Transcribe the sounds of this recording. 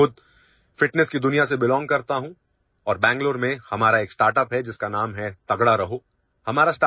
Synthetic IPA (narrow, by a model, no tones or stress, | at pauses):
ʊd̪̚ | fɪʈnɛskid̪ʊnijasebɪlɔ̃ːŋɡ̚kɐɾt̪aɦũ | ɔːɾbɛ̃ːŋɡloːɾmẽhɐmaːɾaeːksʈaːɾʈəpɦɛd͡ʒɪskanaːmɦɛt̪ɐɡɽaɾɐɦoː | hɐmaːɾasʈaː